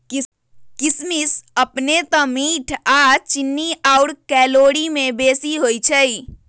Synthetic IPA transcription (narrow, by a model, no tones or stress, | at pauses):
kismisəpnet̪ɔ̃miʈʰat͡ʃinːiaʊɽkɛloɽimebesiɦojt͡ʃʰəj